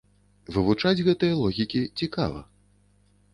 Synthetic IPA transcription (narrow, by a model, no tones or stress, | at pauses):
vɨvut͡ʂad͡zʲɣɛt̪ɨjɐlˠɔɣʲikʲit͡sʲika̰vɐ̰